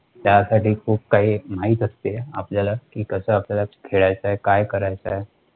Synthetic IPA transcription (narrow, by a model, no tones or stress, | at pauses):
t̪jaːsaʈikʰuːp̚kaimaːit̪ɐst̪eɦɛa̰ːp̚d͡ʒalakikəsaːp̚d͡ʒalakʰeːɽat͡ʃaɦɛkaːjkəɾat͡ʃaɦɛ